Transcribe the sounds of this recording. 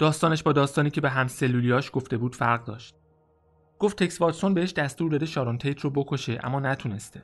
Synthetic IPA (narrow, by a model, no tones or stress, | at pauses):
d̪̥ɒːst̪ɒːneʃbɒːd̪ɒːst̪ɒːniːcʰe̞beɦæmselːuːlijɒːʃɡ̥o̞ft̪e̞buːd̪̥fæɾʁd̪ɒːʃt̪̚ | ɡ̥o̞ft̪ʰːeksvɒːɾso̞nbee̞ʃd̪æst̪uːɾd̪ɒd̪eʃɒːɾont̪ʰejt̪ʰrobokʰoʃeʔæ̰mːɒːnæt̪ʰune̞st̪e